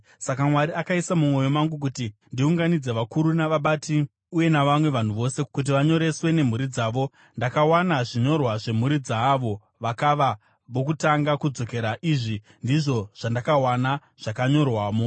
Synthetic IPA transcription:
sakamwaɾiakaisamumo̞jo̞maŋɡuk̬utindiuŋɡanid͡ze̞ʋakuɾunaʋaɓatʰi | uje̞naʋamwe̞ʋan̤uʋo̞se̞kut̬iʋaɲo̞ɾe̞swe̞ne̞m̤uɾid͡zaːʋo̞ | ndakawanaʐiɲo̞rwaʐe̞m̤uɾid͡zaːʋo̞ | ʋakaʋa | ʋo̞kutaŋɡakud͡zo̞ke̞ɾaʔiʐi | ndiʐo̞ʐ̥andakawana | ʐ̥akaɲo̞rwaːmo

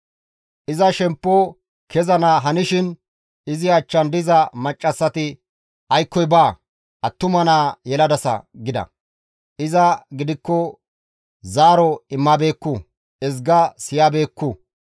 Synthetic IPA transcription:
ʔɪzɐʃɛmpːɔ | kʰɛzɐnaːɦɐnɪʃɪn | ɪzɪɐt͡ʃːɐnd̪ɪzɐmɐt͡ʃʼːɐsːɐt̪ɪ | ʔɐjkːɔjbaː | ʔɐt̪ːʊmɐnaːjɛlɐd̪ɐsɐ̰ɡɪd̪ɐ̰ | ʔɪzɐɡɪd̪ɪkːɔ | zaːɾɔɪmːabe̞ːkːʊ | ɛzɡɐsɪjaːbe̞ːkːu

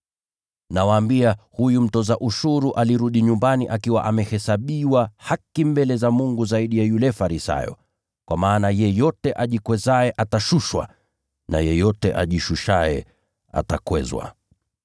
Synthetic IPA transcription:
nawaːmbiahujum̩tɔzaʔuʃuɾuʔaliɾuɗiɲumbaniʔakiwa̰ʔamɛhɛsaɓiwahakimbɛlɛzamuŋɡuzaiɗijajulɛfaɾisa̰jɔ̰ | kwamaːnajɛjɔtɛʔaʄikwɛzaɛʔataʃuʃwa̰ | na̰jɛjɔtɛʔa̰ʄiʃuʃaɛ̰ | a̰takwɛ̰zwa̰

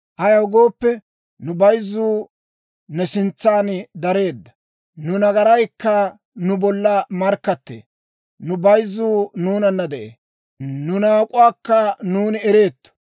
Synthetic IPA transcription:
hɐjɐwɡo̞ːpːɛ | nʊbɐjzːuː | nɛsɪnt͡sːaːnd̪ɐɾe̞ːd̪ːɐ̥ | nʊnɐɡɐɾɐjkːɐ | nʊbɔlːɐmɐɾkːɐt̪ːḛː | nʊbɐjzːuːnuːnɐnːɐd̪ɛʔḛː | nʊnaːkʼʊwaːkːɐnuːnɪɛɾeːt̪ːɔ̥

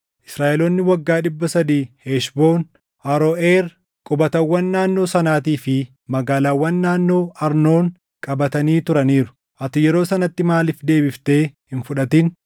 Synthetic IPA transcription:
ʔɪ̥sɾaːʔɛloːnːɪwɐɡːaːᶑɪbːɐsɐd̪iːheːʃbo̞ːn | hɐɾoʔeːɾ | kʼʊbɐt̪ɐwːɐnːaːnːo̞ːsɐnaːt̪̬iːfɪ | mɐɡaːlaːwːɐnːaːnːo̞ːʔɐɾno̞ːŋ | kʼɐbɐt̪ɐniːt̪ʊɾɐniːɾʊ̥ | ʔɐt̪ʊjɛɾo̞ːsɐnɐt̪ːɪmaːlɪfd̪e̞ːbɪft̪e̞ːhɪnfʊᶑɐt̪in

